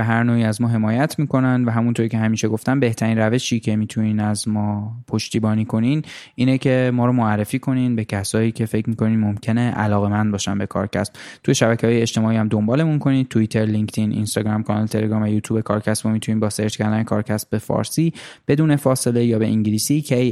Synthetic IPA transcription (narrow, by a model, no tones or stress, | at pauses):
æɦæɾnoːiːæzmɒːɦe̞mɒːjæt̪ʰmiːko̞nænvæɦæmunt̪ʰoɾiːcʰeɦæmiːʃe̞ɡo̞ft̪æmbe̞ht̪ʰæɾiːnræve̞ʃiːcʰe̞miːt̪ʰuniːnæzmɒːpʰo̞ʃt̪iːbɒːniːkʰo̞niniːnecʰe̞mɒːɾɔːmoærːe̞fiːkʰo̞niːnbe̞cʰæsɒːiːcʲʰe̞fe̞cʰmiko̞niːnmo̞mcʰe̞ne̞ʔælɒːɣe̞mænd̪bɒːʃænbe̞kʰɒ̰ːɾcʰæ̰sb̥t̪ʰujeʃæbæcʰehɒːjeeʃt̪e̞mɒːiːæmd̪o̞mbɒːle̞munkʰo̞niːn̚t̪ʰuit̪ʰe̞ɾliŋkt̪ʰinʔḭnst̪ɒɡɾɒːmkʰɒnɒlet̪ʰe̞le̞ɡɾɒːmvæjuːt̪ʰuːbekʰɒːɾcʰæsbomit̪ʰuniːnbɒːseɾd͡ʒkʰæɾd̪ænekʰɒːɾcʰæsbbe̞fɒ̰ːɾsiːb̥e̞d̪uːne̞fɒːse̞le̞jɒːbe̞ʔiŋɟiliːsicʰej